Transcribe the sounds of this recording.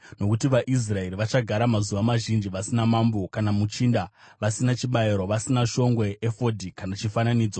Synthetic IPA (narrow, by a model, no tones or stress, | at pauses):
no̞kutiʋaʔis̬rae̞ɾiʋat͡ʃaɡʱaɾamazuʋamaʒind͡ʒiʋasinamambo̞kanamut͡ʃiːnda | ʋasinat͡ʃiɓajeɾo̞ʋasinaʃo̞ŋɡweʔefo̞dʱikanat͡ʃifananiːd͡zo